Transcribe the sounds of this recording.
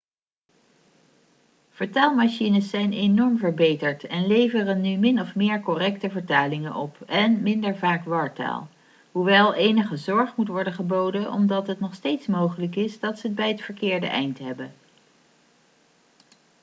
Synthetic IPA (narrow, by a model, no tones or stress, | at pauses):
v̥əɹtaːlˠmaʃinəsːɛjnenɔɹmvəɹbejtəɹtɛnlejvərənːymɪnɔfmɪːɹkɔrɛktəvəɹtaːlɪŋənʔɔpɛnmɪndəɹvaːkʋɑːɹta̰ːlˠ | ɦuʋɛlˠʔejnəχəzɔɹχmutʋɔɹdəχəbowdəʔɔ̰mdɑtɦətnɔχstejtsmowχələkɪsdɑtsəəbɛjɦətfəɹkɪːɹdə̰ʔɛ̰jntɦɛbən